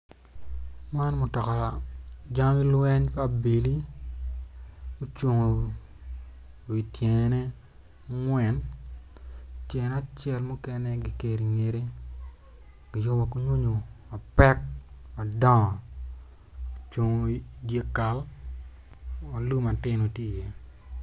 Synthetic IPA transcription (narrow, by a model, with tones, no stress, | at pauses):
ma˦nmʊ˨tɔ˨ka˨a˨d͡ʒa˦mi˦lwɛ˦ɲpa˦˨bi˨li˦ | o˦t͡ʃwo˨ŋo˨ | wi˨tje˨ŋ˨nɛ˦ | ŋwɛ˨n | tje˨n˦a˦˨t͡ʃɛ˦lmʊ˦kɛ˦nɛ˦ɡi˨ke˨ɾi˨ŋe˨ɾe˦ | ɡ̥i˨jo˦ma˨ku˦ɲwo˦ɲo˨ma˨pɛ˦k̚ma˨dɔ˦ŋ˨ | o˨t͡ʃwo˨ŋo˨i˨dje˦ka˨l | ma˨lu˦ma˨tɪ˦no˨tje˦i˨jɛ˦